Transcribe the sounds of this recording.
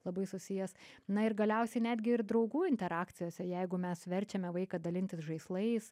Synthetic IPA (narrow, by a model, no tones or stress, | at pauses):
lˠɐbɐɪsʊsʲɪjɛsnɐɪɾɡɐlʲɛʊsʲɛɪnʲæːd̪ʲɡʲɪɪɾd̪ɾɒʊɡuːɪnʲt̪ʲɛɾɑːkt̪ʲɪjoːsʲɛjɛɪɡʊmʲɛsʋʲɛɾʲt͡ʃʲɛmʲɛʋɐɪkɐd̪ɐlʲɪnʲt̪ʲɪsʒɐɪslˠɐɪs